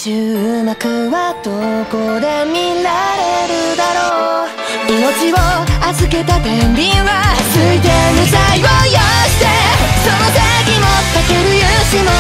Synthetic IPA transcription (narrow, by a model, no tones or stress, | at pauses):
t͡ɕɨɯnakɯβad̪̥okod̪e̞mʲilaɾe̞ɾɯ̟d̪aɾo | ino̞t͡ɕiβoazɨke̞t̪at̪ẽmbʲĩɰ̃βat͡sɨit̪e̞misaiojoɕi̥t̪e̞sonot̪eɡʲimokakeɾɯ̟jɯ | ɕimo